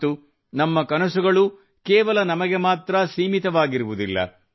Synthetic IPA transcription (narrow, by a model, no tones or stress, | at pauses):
u | nɐmːɐkɐnɐsuɡɐɭu | kɛːʋɐlɐnɐmɐɡe̞maːt̪ɾɐsiːmit̪ɐʋaːɡiɾuʋud̪ilːɐ̰